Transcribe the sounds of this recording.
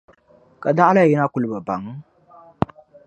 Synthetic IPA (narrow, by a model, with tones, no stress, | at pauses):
ka˨da˦ʔa˦la˦˨ji˦na˦ku˨lɨ˨ba˨ba˨ŋ˦